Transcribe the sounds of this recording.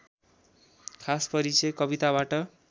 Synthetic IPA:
kʰaspʌɾit͡sʌjkʌbit̪abaʈʌ

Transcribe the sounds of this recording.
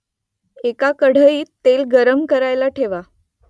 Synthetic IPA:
ekakəɽ̤əiːt̪ːelɡəɾəmkəɾajlaʈʰeʋa

